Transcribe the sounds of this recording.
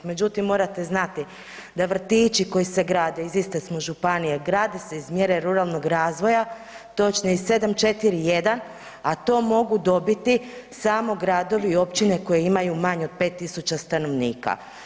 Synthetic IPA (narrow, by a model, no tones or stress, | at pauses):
me̞d͡ʑut̪imːo̞ːɾat̪e̞znat̪i | d̪aʋr̩t̪iːt͡ʃiko̞jise̞ɡɾaːd̪eizist̪esmoʒupanijeɡɾaːd̪ese̞izmje̞ɾe̞ɾuɾalˠno̞ɡɾaːzʋo̞ja | t̪o̞t͡ʃnoise̞d̪amt͡ʃe̞t̪iɾije̞d̪an | at̪o̞ːmo̞ɡud̪o̞bit̪isaːmo̞ɡɾaːd̪o̞ʋio̞pt͡ʃine̞ko̞jeimajumaɲod̪̥̚pe̞t̪ːisut͡ʃast̪ano̞ʋniːka̰